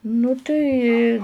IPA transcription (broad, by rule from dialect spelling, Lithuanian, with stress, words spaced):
nʊ ˈtɐɪ